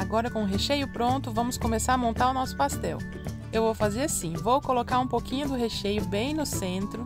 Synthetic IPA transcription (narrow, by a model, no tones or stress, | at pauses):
aɡɔɾɐkõʊɦeʃejʊpɾõnt̪ʊvɐ̃mʊskomesaɾɐmõnt̪aɾʊnɔsʊ̥past̪ɛ̰w | ewvowfazeɾasĩvowkolokaɾũpokĩɲʊd̪ʊɦeʃejʊbẽj̃nʊsẽnt̪ɾʊ